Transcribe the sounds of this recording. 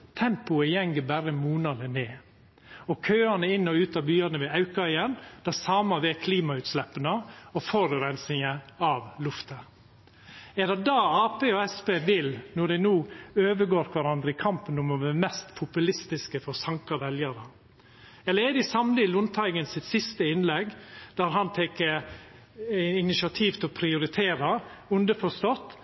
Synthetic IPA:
t̪ʰɛmpʊɛjɛŋɡəbæɾəmuːnɑd̪əneː | ɔkʰøːɑnəɪnːɔʉːt̪ɑːbyːɑnəʋɛɑʉkɑœɪənd̪̥ɛsɑːmɑʋɛːkʰliːmɑʉːt̪slɛpːənəɔfɔɾʉɾɛnsɪŋəɑʋlʉft̪ə | ɛd̪ɛd̪ɑːɑːpeːɔɛspeːʋɪlnɔɖ̪ɛɪnuːøːʋəɡoːɾkʰʋɑɾɑnd̪ɾəɪkʰɑmpənʊmɔʋɛmɛst̪pʰʊpʉlɪst̪ɪskəfɔɾsɑŋkɑʋɛljəɾə | ɛlːəɾɛd̪ɪsɑmlɪlʊnt̪ʰɑɪɡənsɪt̪sɪst̪əɪnlɛɡd̪æɾɦɑnt̪ʰɛkːə | ɪɪnɪsɪɑt̪ʰiːʋt̪ʰɛlɔpʰɾɪʊɾɪt̪ʰeːɾəʉnd̪əfɔst̪ɔt̪ː

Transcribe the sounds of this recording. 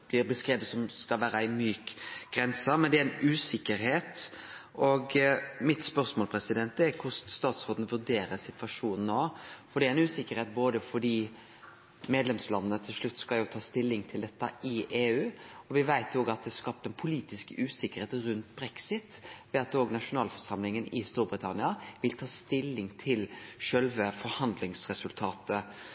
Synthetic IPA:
b̥lɪɾbəskɾeːʋəd̪sɔmskɑlʋæːɾəɪmyːkɡ̥ɾɛnsəmɛnd̪ɛæɾɪnʉːsɪkːəɾheːt̪ʔɔɡmɪt̪spœʁsmoːlpʰɾɛsɪd̪ɛnt̪əæɾkʰʊsst̪ɑːt̪sɾoːd̪n̩əʋʉd̪eːɾəsɪt̪ʋɑʂuːnn̩ːoːfɔɖ̪ɛæɾɛnʉːsɪkːəɾheːt̪̚boːd̪əfɔɖiː | meːd̪lɛmslɑnənət̪ʰɪlʂlʉt̪ːskɑljʊt̪ʰɑːst̪ɪlːɪŋt̪ʰɪld̪ɛt̪ːɑ̰ɪʔeːʉːɔʋɪʋæɪt̪oːɡɑt̪̚d̪ɛskɑp̚t̪əɛnpʰʊliːt̪ɪskəʉːsɪkːəɾheːt̪ɾʉnt̪bɾɛksɪt̪ʋɛɑt̪oːɡnɑʂʊnɑːlfɔɾʂɑmlɪŋənɪst̪uːɾbɾɪt̪ʰɑnɪɑʋɪlt̪ʰɑːst̪ɪlːɪŋt̪ʰɪlʂœlʋəfɔɾhɑnd̪lɪŋsɾɛsʉlt̪ʰɑːt̪ə

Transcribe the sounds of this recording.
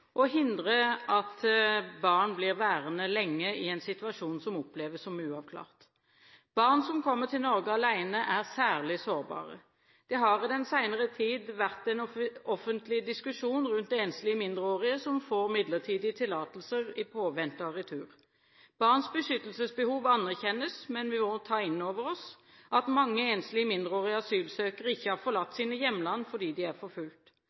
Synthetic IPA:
ʔɔɦɪnd̪ʁəʔɑt̪bɑːʁnblɪʁʋæːʁənəlɛŋːəɪɛnsɪt̪ʉɑʃuːnsɔmɔpleːʋəssɔmʉːɑʋkʰlɑ̰ːʁt̪ | b̥ɑʁnsɔmkʰɔmːəʁt̪ɪlnɔʁɡəɑlæɪnəʔæʁsæːʁlɪsoːʁbɑ̰ːʁə̰ | d̪̥ɛɦɑʁɪd̪ɛnsæɪnəʁət̪ʰiːd̪ʋæʁt̪ɛnɔfənt̪lɪd̪ɪskʉʂuːnʁʉnt̪d̪ɛeːnslɪəmɪnd̪ʁəoːʁɪəsɔmfoːʁmɪd̪ləʁt̪ʰiːd̪ɪt̪ʰɪlɑːt̪əlsəʁɪpʰoːʋɛnt̪ɑʁɪt̪ʰʉːʁ | b̥ɑʁnsbəʃʏt̪ːəlsəsbəhuːʋɑnːæʁçɛnːəsmɛnʋɪmɔt̪ʰɑːɪnːoːʋəɾʁɔs | ʔɑt̪mɑŋːəeːnslɪəmɪnd̪ʁəoːʁɪəɑsyːlsøːkəʁəɪçːəhɑʁfɔʁlɑt̪ːsiːnəjɛmːlɑnːfɔd̪iːd̪ɪæʁfɔfʉlt̪

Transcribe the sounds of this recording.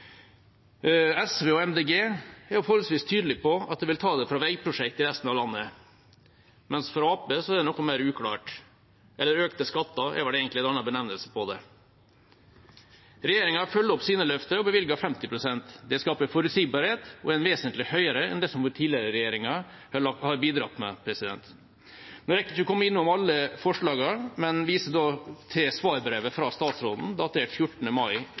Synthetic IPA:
ɛsʋeːɔɛmd̪eːɡeːæɾfɔɾɔlsʋiːst̪ʰyːd̪əlɪpʰɔɑt̪̚d̪ɛʋɪlt̪ʰɑːd̪ɛfɾɑʋæɪpʰɾʊʂɛkt̪ɪɾɛst̪nɑʋlɑnːə | mɛnsfɔɾɑːpəsɔɛd̪ɛnɔkːɔnmæɪɾʉːkʰɽɑ̰ːʈ | ʔɛlːəɾøːkt̪əskɑt̪ːɑʔɛ̰ʋɑɖɛeːɡənt̪ɪɛnɑnːɑbənɛʋnəlsə̥pʰɔd̪ɛ̰ | ɾɛjeːɾɪŋɑfœlːɔpsiːnəlœft̪əɔbəʋɪlɡɑfɛmt̪ɪpʰɾʊsɛnt̪d̪ɛskɑːpəɾfɔɾʉt̪siːɡbɑɾheːt̪ɔɛnʋeːsənt̪lɪhœʏəɾəɛ̰nd̪ɛsɔmʈʰiːlɪəɾəɾɛjeːɾɪŋɑ | hɑɾbiːd̪ɾɑ̰t̪ːmɛ̰pʰɾɛsɪd̪ɛ̰nt̪ | noɾɛkːəɪçɔkʰɔmːəɪnːʊmɑlːəfɔʂɭɑːɡɑɾmɛnʋiːsəd̪oːt̪ʰɪsʋɑːɾbɾeːʋəfɾɑst̪ɑːt̪sɾoːd̪n̩d̪ɑt̪ʰeːʈfjʊʈːn̩əmɑɪ

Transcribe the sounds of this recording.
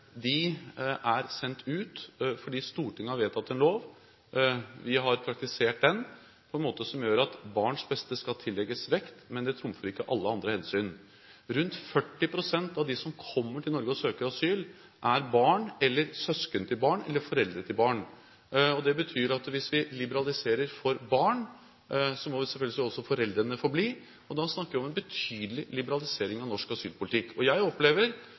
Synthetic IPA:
d̪ɪʔæɾsɛnt̪ʰʉːt̪fɔɖiːst̪uːʈʰɪŋːɑʋeːt̪ʰɑt̪ːɛnloːʋ | ʋɪɦɑɾpʰɾɑk̚t̪ɪseːʈ̚d̪ɛn | pʰɔɛnmoːt̪əsɔmjøːɾɑt̪bɑːɳʂbɛst̪əskɑt̪ʰɪlːɛɡəsʋɛkt̪mɛnd̪ɛt̪ʰɾʊmfəɾɪkːəʔɑlːəɑnd̪ɾəhɛnsyːn | ɾʉnt̪fœʈːɪpʰɾʊsɛnt̪ɑʋd̪ɪsɔmkʰɔmːəʈʰɪlnɔɾɡəɔsøːkəɾɑsyːl | ʔæɾbɑːɳɛlːəɾsœskənt̪ʰɪlbɑːɳɛ̰lːəɾfɔɾɛld̪ɾət̪ʰɪlbɑːɳ | ɔd̪ɛbət̪ʰyːɾɑt̪ʋɪsʋɪlɪbəɾɑlɪseːɾəɾfɔɾbɑːɳ | sɔmɔʋɪsɛlfœlɡəlsʋɪɔsɔfɔɾɛld̪ɾənəfɔɾbliː | ɔd̪ɑsnɑkːəʋɪɔmɛnbət̪ʰyːd̪əlɪlɪbəɾɑlɪseːɾɪŋɑʋnɔʂkɑsyːlpʰʊlɪt̪ʰɪkːɔjæɪɔpleːʋəɾ

